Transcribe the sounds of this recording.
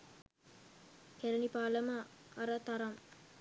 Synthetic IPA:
kɛɾɐnipaːlɐmaːɾat̪aɾɐm

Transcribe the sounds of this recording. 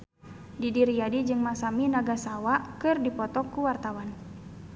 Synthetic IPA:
didiɾiadid͡ʒɨŋmasaminaɡasawaʔkɨrdipɔt̪ɔkːuwart̪awan

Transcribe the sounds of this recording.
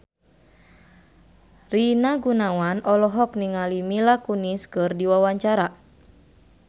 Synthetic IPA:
rinaɡunawanʔɔlɔɦɔkniŋalimilakuniskɨrdiwawaɲt͡ʃaɾa

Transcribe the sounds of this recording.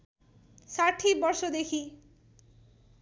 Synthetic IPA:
saʈʰibɔɾsod̪ekʰi

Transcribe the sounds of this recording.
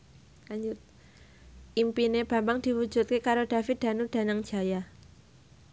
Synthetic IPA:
aɲd͡ʒʊt̪̚ | impineb̥a̤mbaŋd̪̥i̤wu̥d͡ʒ̥ṳt̪̚kekaɾod̥a̤fɪt̪̚d̪̥a̤nud̥a̤naŋd͡ʒʒ̥a̤ja

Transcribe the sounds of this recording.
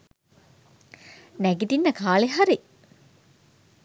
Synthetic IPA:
næɡit̪inːəkaːleɦaɾi

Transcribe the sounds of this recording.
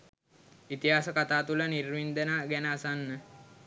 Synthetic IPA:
it̪iɦaːsəkat̪aːt̪ulənirʋind̪ənaːɡænəːsanːə

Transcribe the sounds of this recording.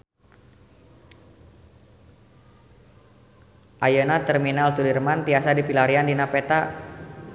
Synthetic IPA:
ʔajənat̪ɛrminalsulirmant̪iasadipilaɾiandinapɛt̪a

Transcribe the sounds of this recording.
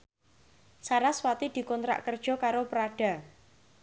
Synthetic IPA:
saɾaswat̪id̪̥i̤kɔnt̪ɾa̰ʔkərd̥ʒ̥ɔ̤kaɾopɾaɖ̥a̤

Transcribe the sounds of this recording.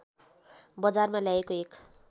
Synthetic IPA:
bʌd͡zarmaljaekoek

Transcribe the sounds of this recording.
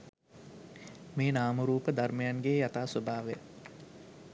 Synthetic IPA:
meːnaːməɾuːpəd̪arməjanɡejat̪aːsobʱaːʋe

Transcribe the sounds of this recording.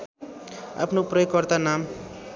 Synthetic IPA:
a̰pʰnoprʌjokːʌrt̪anam

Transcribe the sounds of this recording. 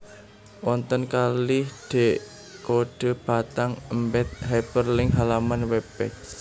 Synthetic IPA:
wɔnt̪ənkalɪhd̪̥e̤ʔ | koɖ̥ə̤b̥a̤t̪aŋəmbɛt̪̚ɦapərlɪŋɦalamanwɛbɛ̰k̚

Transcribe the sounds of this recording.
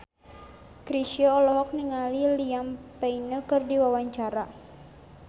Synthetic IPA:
kɾiʃiɔːlɔɦɔk̚niŋaliliampɛinəkɨrdiwawaɲt͡ʃaɾa

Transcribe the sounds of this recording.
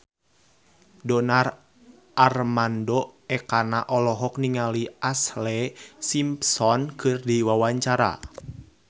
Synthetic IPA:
dɔnar | ʔarmandɔɛkanaʔɔlɔɦɔkniŋaliʔaslɛsimpsɔnkɨrdiwawaɲt͡ʃaɾa̰

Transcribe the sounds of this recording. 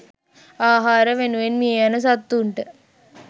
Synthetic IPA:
aːɦaːɾəʋenuʋenmiejanəs̬ɐt̪ːuɳʈə

